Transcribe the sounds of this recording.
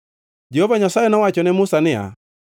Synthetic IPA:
d͡ʒɛhɔvaɲasaɛnɔwat͡ʃɔnɛmʊsanɪa̰

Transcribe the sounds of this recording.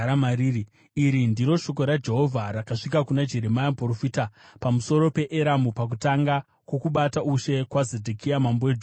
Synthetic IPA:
amaɾiːi | iɾindiɾo̞ʃo̞ko̞ɾad͡ʒe̞ɦo̞vʱaɾakaʂikakunad͡ʒe̞ɾe̞majamporofiːtapamuso̞ɾo̞pe̞ʔeɾamupak̬utaŋɡa | kwokuɓataʔuʃe̞kwazedʱekʰijamamboed͡ʒ

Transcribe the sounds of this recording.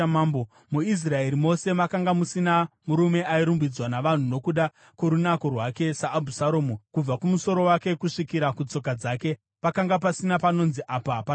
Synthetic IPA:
maːmbo | muis̬rae̞ɾimo̞se̞makaŋɡamusinamuɾume̞ʔaiɾumbid͡zwanaʋan̤uno̞kuɗa | kwoɾunako̞rwake̞saʔːbʱusaɾo̞ːmukub͡vakumuso̞ɾo̞wake̞kuʂikiɾakut͡so̞kad͡zaːke̞ | pakaŋɡap̬asinapano̞nziʔaːpapa

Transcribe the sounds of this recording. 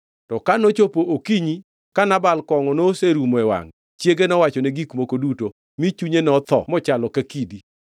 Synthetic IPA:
tɔkanot͡ʃopoʔokiɲi | kanabalkɔŋɔnoseɾumɛwa̰ŋ | t͡ʃjeɡenɔwat͡ʃɔneɡikmokoduto | mit͡ʃuɲenɔt̪ɔ̰mɔt͡ʃalɔkakidi

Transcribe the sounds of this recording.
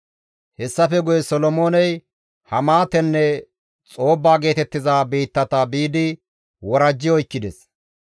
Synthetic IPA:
hɛsːɐfɛɡʊjɛsɔlɔmoːnɛj | hɐmaːt̪ɛnːɛ | t͡sʼo̞ːbːaːɡe̞ːt̪ɛt̪ːɪzaːbiːt̪ːɐt̪ɐbiːd̪ɪ | wɔɾɐd͡ʒːɪɔjkːɪd̪ɛs

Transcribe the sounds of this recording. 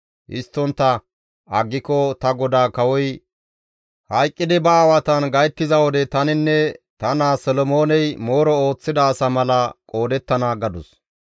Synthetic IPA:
ʔɪ̰st̪ːɔnt̪ːɐ | ɐɡːɪkɔt̪ɐɡɔd̪aːkɐwɔj | hɐjkʼːɪd̪ɪbɐːwɐt̪ɐnɡɐjt̪ːɪzɐwɔd̪ɛt̪ɐnɪnːɛt̪ɐnaːsɔlɔmo̞ːnɛjmo̞ːɾɔoːt͡sːɪd̪ɐːsɐmɐlɐkʼo̞ːd̪ɛt̪ːɐnaːɡɐd̪ʊs

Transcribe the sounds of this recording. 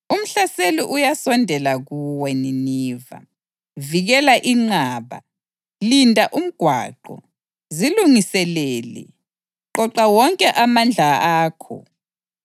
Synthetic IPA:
um̩ɬaseliʔujasɔndʱɛlaɣuwɛniniːva̰ | viɣɛlaʔiŋ͡ǀaːβa̰ | lindʱaʔum̩ɡ̥ʱwa̰ːǃɔ̰ | ziluŋisɛlɛːlɛ̰ | ǃɔǃawɔŋkʼɛʔamand͡ɮʱaaːkʰɔ̰

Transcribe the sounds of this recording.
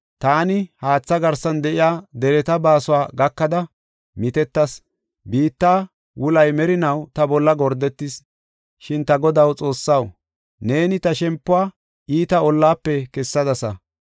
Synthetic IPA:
t̪aːnɪhaːt͡sːɐɡɐɾsɐnd̪ɛʔɪjaːd̪ɛɾɛt̪ɐbaːsʊaːɡɐkːɐd̪ɐ | mɪt̪ɛt̪ːɐs | biːt̪ːaː | wʊlɐjmɛɾɪnɐwt̪ɐbɔlːɐɡɔɾd̪ɛt̪ːɪs | ʃɪnt̪ɐɡɔd̪ɐwt͡sʼo̞ːsːɐw | ne̞ːnɪt̪ɐʃɛmpːʊaː | ʔiːt̪ɐɔlːaːpːɛkɛsːɐd̪ɐsɐ

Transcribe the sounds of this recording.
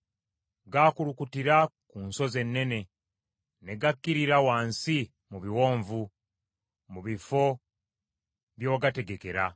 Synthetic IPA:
ɡaːkulukutiɾakuːnso̞ze̞nːe̞ne̞ | ne̞ɡakːiɾiɾawaːnsi | muβiwo̞ːɱvu | muβifo̞ | βjo̞ːɡate̞ɡe̞ke̞ɾa

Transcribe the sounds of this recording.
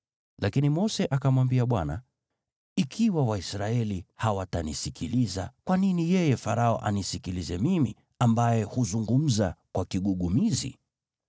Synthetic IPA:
lʔakinimɔsɛʔakamwambiaɓwana̰ | ikʰiwawaisɾaɛlihawatanisikʰiliza̰kwaninijɛjɛfaɾaɔ̰ʔa̰nisikilizɛmimi | ambajɛhuzuŋɡum̩zakwakiɠuɠumizḭ

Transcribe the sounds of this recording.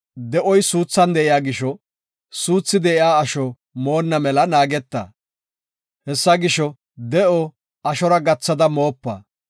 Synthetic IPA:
d̪ɛʔɔjsuːt͡sːɐnd̪ɛʔɪjaːɡɪʃɔ | suːt͡sːɪd̪ɛɪaːʃɔ | mo̞ːnːɐmɛlɐnaːɡɛt̪ːɐ̰ | hɛsːɐɡɪʃɔ | d̪ɛʔɔ | ɐʃɔɾɐɡɐt͡sːɐd̪ɐmo̞ːpːɐ̰

